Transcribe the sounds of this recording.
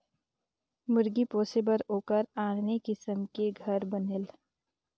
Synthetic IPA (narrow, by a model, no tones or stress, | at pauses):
mʊɾɡipoːsɪbəɾoːkəɾaːɽnekɪsəmkeɡʱɐɾbənel